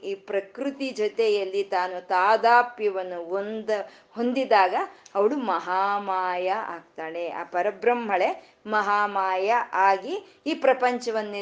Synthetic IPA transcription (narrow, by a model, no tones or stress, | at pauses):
iːpɾɐkɾut̪id͡ʒɔt̪ɛjɐlːit̪aːnut̪aːd̪aːpjɐʋɐnːuɦond̪ɐ | ɦo̞nd̪id̪aːɡɐɐʋɐɭumɐɦaːmaːjɐa̰ːɡ̚t̪aːɽe̞a̰ːpɐɾɐbɾɐmɦɐɭe̞ | mɐɦaːmaːjɐʔaːɡiː | pɾɐpɐɲt͡ʃɐʋɐnːi